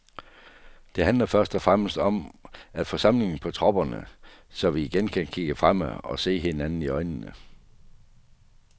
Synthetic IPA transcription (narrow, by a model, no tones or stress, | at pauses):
d̥e̝ɦænlɐfɶɐsd̥ɒ̽fʁam̰sd̥ɒ̽mæd̥fɒ̽sɑ̈m̰le̝ŋn̩pʰɒ̽t͡sʰʁɒ̽b̥ɐnəsɒ̽ʋiːɡ̥enkʰænkʰiɡ̥əfʁam̰əɒ̽se̝̰ːɦe̝nænn̩iɒ̽ɪnənə